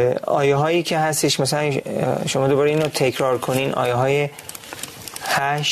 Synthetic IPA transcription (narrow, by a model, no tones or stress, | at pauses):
ɒ̰ːjeɦɒːjiːcʰe̞hæst̪eʃmæsælænʃo̞mɒːd̪obɒːɾeiːnot̪ʰe̞cʰɾɒːɾkʰoniːnʔɒ̰ːjeɦɒːje | hæʃ